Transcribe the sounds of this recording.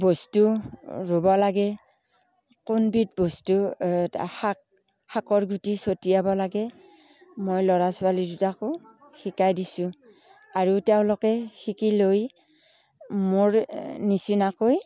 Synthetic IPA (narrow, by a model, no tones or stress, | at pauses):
bostuɹubɔlaɡɛ | kʊnbitbostu | hak̚ | hakɔɹɡʱutisotijabɔlaɡɛ | mojlɔɹasʊalidutakʊ | xikajdisʊ̃ | aɹutɛʊ̃lɔkɛxikiloj | moɹnisinakoj